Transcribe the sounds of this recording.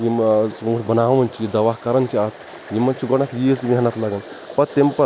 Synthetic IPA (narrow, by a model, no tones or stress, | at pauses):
jisːʈbɐnaːʋɐnʲt͡ʃʰijid̪ɐʋaːɦkɐɾɐnt͡ʃʰiaːt̪ʰ | jimɐnt͡ʃʰiɡɔnɐt̪ʰjismʲiɦɐnɐt̪lɐɡɐn | pɐɾt̪impɐ